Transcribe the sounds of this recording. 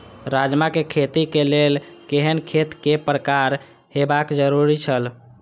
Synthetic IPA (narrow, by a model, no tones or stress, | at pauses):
ɾad͡ʒmakekʰet̪ikelelkeɦənkʰet̪kepɾəkaɾ | ɦebakd͡ʒəɾuɾit͡ʃʰəl